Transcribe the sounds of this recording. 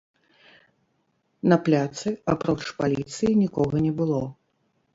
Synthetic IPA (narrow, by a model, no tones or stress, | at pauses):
nɐplʲat̪sɨapɾɔt͡ʂpalʲit̪sɨjinʲikɔɣɐnʲɛbɨlˠɔ